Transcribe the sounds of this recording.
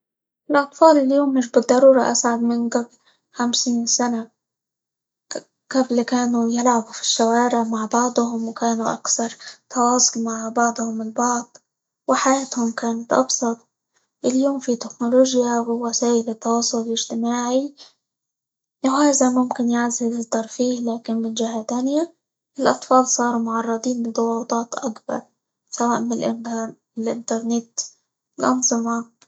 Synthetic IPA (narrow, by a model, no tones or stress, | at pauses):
ʔɪlʔɑt̪ˤfɑːlɪljoːmːɪʃ̬bɨd̪ˤːɑɾˤuːɾˤɑʔasʕad̪mɪnɡabl | xamsiːnsana | ɡ̥ablkaːnujɪlʕabufi̥ʃːawaːɾɪʕmaʕbɑʕd̪ˤhʊmwkaːnuʔakθɑɾˤt̪ʰɑwɑːsˤʊlmaʕbɑʕd̪ˤhʊmɪlbɑʕd̪ˤ | wɪħajaːt̪hʊmkaːnat̪ʔɑ̰bsˤɑt̪̚ˤ | ʔɪljoːmfit̪ɪknoloːʒjawɪwasaːʔɪlɪt̪ːɑwɑːsˤːʊlɪlɪʒt̪ɪmaːʕi | ʔhaːzamʊmkɪnjaʕzɪzɪt̪ːɑɾˤfiːhlaːkɪnmɪnd͡ʒɪhat̪aːnɪja | ʔɪlʔɑt̪ˤfɑːlsˤɑːɾˤumʊʕɑrˤːɑd̪ˤiːnbɪd̪ˤʊwɑːt̪ˤɑːt̪ʔakbɑ̰ɾˤ | sawaːʔmɪl | ɪlʔɪ̰nt̪ɑɾˤnɪt̪ | ɪlʔɑ̰nzˤɨmɑ